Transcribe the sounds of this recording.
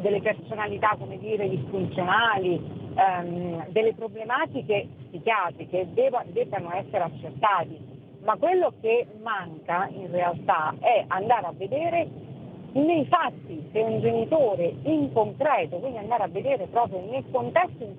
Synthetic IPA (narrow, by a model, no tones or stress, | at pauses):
d̪elːepersonalit̪akːomed̪iːɾed̪isfunt̪sjonaːli | d̪elːepɾoblemaːt̪ikesik̟jaːt̪ɾiked̪ɛvad̪ɛːvanoɛsːeɾeat͡ʃːert̪aːt̪i | makːwelːokemːaŋkainrealt̪aɛʔand̪aːɾavːed̪eːɾe | nejfat̪ːiseund͡ʒenit̪oːɾeiŋkoŋkɾɛːt̪okwind̪iand̪aːɾeavːed̪eːɾepɾɔːpɾjonelkont̪ɛst̪oiŋ